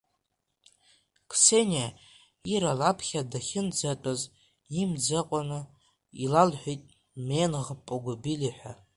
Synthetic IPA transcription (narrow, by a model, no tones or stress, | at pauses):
kʰsena | iɾalapʰχʲadaχʲɪnd͡zatʼaz | imd͡zaqʷʼanɨ | ilalħʷᶣijtʼ | menʁpʼaɡʷabiliħʷᶣa